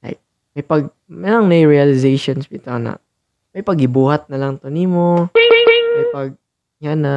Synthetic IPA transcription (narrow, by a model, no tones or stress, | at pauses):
la̰j̚ | mɐjpɐɡ̚ | mɛlɐŋnɐjɹialɪzejʃonsbɪt̪onɐ̰ | mɐjpɐɡɪbuːhɐt̪̚nɐlɐŋt̪onimo | mɐjpɐɡ̚ | janɐ